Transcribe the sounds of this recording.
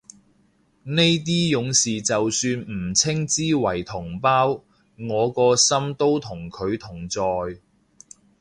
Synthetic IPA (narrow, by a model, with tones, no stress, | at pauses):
ne˥jt̪̬iː˥jʊ˨˧˥ŋsiː˨t͡sɐ˨wsyː˧nm̩˨˩t͡sʰɪ˥ŋt͡siː˥wɐ˨˩jt̪ʰʊ˨˩ŋpaː˥w | ŋɔː˨˧kɔː˧sɐ˥mt̪o˥wt̪ʰʊ˨˩ŋkʰɵ˨˧ɥt̪ʰʊ˨˩ŋt͡sɔː˨j